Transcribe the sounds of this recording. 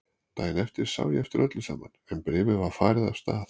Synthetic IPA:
t̪ʰaːjɪnɛft̪ɪɾ̥sa̰ːwjɛft̪ɪɾʔœt̪lɪsa̰ːmanɛnpɾɪːvʏðvḁfaːɾɪðav̥st̪aːθ

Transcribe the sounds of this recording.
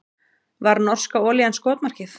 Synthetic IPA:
vaɾnɔr̥skaɔːlianskoːt̪mar̥cɪθ

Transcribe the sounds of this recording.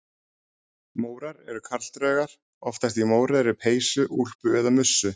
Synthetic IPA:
moːwɾaɾɛɾʏkʰaɾl̥t̪ɾœːɣaɾ̥ | ɔft̪ast̪imoːwɾɪðɾɪpʰeːjsʏʔul̥pʏɛðamʏsːʏ

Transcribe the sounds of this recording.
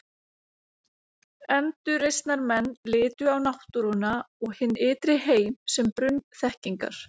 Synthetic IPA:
ɛnt̪ʏɾejst̪naɾmɛnːlɪːt̪ʏawnaht̪uɾʏnaɔɣhɪnːɪːt̪ɾɪheːjmsɛmpɾʏnθɛhciŋka̰ɾ̥

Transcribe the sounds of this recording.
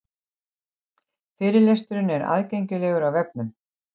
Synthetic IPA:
fɪːɾɪlejst̪ʏɾɪnɛɾa̰ðcejɲcʏlɛːɣʏɾawvɛp̚nʏm

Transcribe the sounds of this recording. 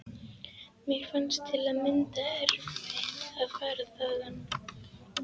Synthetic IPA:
mjɛɣfanst̪ʰɪlaðmɪnt̪aɛɾvɪaðfaːɾaθaːɣanː

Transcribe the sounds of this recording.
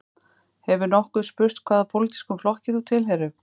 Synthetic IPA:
hɛvʏnɔhkʏðspʏɾ̥t̪kʰv̥aːðapʰowlit̪i̥skʏmflɔhcɪθut̪ʰɪlɦɛɾʏ

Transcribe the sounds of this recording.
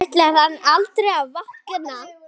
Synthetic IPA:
ht̪lɪaɾanːalt̪ɾejaðvahkɪnːa

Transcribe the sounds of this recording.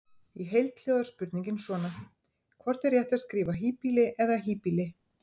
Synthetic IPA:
iɦejlt̪l̥ɛːɣðʏɾspʏɾt̪nĩŋɲcɪnsvɔːna | kʰvɔr̥t̪ɛɾjɛht̪aðskɾiːvaɦiːpilɪʔɛðaɦiːpilɪ

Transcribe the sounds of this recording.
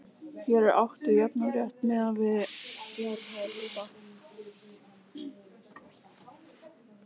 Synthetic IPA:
çɛɾɛɾa̰wht̪ʏjapnaɾjɛht̪mɛðavɪðjɛɾhalɪt̪a

